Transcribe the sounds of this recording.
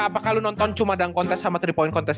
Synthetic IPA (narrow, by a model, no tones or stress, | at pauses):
apakalunɔnt̪ɔnt͡ʃumadaŋkɔnt̪ɛsamat̪ɾipɔinkɔnt̪ɛs